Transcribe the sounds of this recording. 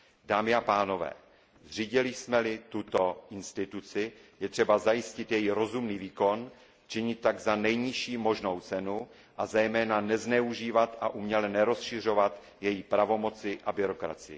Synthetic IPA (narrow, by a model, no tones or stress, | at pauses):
daːmɪapaːno̞vɛ̰ː | zriːɟɪlɪsmɛlɪt̪ut̪o̞ʔɪnst̪ɪt̪ut͡sɪjɛt̪r̥ɛbazajɪscɪt̪jɛjiɾo̞zumniːviːko̞n | t͡ʃɪɲɪt̪̚ːaɡzanɛjɲɪʃiːmo̞ʒno̞wt͡sɛnu | ʔazɛjmɛːnanɛznɛuʒiːvat̪ʔaʔumɲɛlɛnɛɾo̞sʃɪr̝o̞vat̪ | jɛjipɾavo̞mo̞t͡sɪʔabɪɾo̞kɾa̰t͡sɪjɪ̰